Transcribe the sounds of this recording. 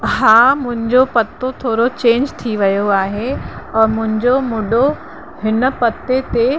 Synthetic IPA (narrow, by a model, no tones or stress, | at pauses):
ɦaːmʊ̃ɦɪ̃ɲd͡ʑopɐt̪ot̪ʰoːɾot͡ɕẽːɲd͡ʑt̪ʰiʋɐjoaːɦeɔːɾmʊ̃ɦɪ̃ɲd͡ʑomʊɗo | ɦɪnə̆pɐt̪et̪e